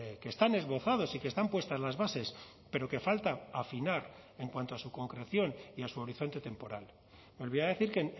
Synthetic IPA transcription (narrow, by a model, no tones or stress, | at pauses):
kest̪ane̞zβo̞θað̞o̞sikest̪ampwe̞st̪azlazβase̞s | pe̞ɾo̞ke̞falt̪aafinaɾ | e̞ŋkwant̪oasuko̞ŋkɾe̞θjo̞niasuo̞ɾiθo̞nt̪e̞t̪e̞mpo̞ɾal | mo̞lβiaðe̞θiɾke